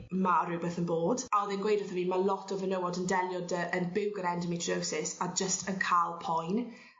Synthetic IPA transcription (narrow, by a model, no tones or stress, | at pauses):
maəɾubəθənboːdaðɛnɡwejdəθəviːmalˠɔtʰɔvənəwɔdəndɛlˠjɔdəənbɪwɡəɾɛndəmitʰowsɪsad͡ʒəstənkʰalˠpʰɔjn